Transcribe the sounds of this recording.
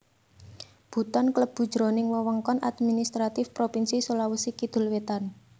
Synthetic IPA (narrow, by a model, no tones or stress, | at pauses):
b̥ṳt̪ɔnkləb̥ṳ̥ʒ̥ɾo̤nɪŋwəwəŋkɔnʔa̰d̪minist̪ɾat̪ɪfpɾopinsisolawusikid̪̥ʊ̤lwet̪an